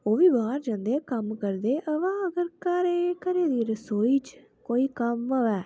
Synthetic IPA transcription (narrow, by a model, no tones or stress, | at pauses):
oːʋiːbaːɾd͡ʒãːnd̪eːkəmkəɾd̪eːʔəʋãːəɡəɾkaːɾeːkəɾeːd̪iːɾəsoːiːt͡ʃ | koːiːkəməʋɛː